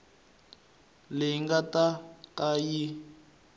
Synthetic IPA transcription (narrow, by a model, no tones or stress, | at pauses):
lɪiŋɡatakaji